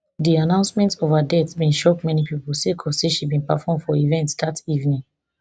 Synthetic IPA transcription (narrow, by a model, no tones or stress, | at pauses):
dianãʊ̃nsmɛ̃ntovadɛtbĩnʃɔkmɛnipipolsekʰɔseʃibĩnpafɔ̃mfɔivɛ̃ntsdativnĩŋ